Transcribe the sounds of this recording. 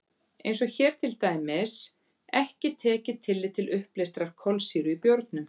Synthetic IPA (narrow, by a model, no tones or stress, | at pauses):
ḛjns̬ɔɣçɛːɾ̥t̪ʰɪlt̪aːjmɪs | ɛhcɪt̪ʰɛːcɪt̪ʰɪlːɪt̪ʰɪlʏhplejst̪ɾaɾ̥kʰɔlsiːɾʏipjowɾt̪̚nʏm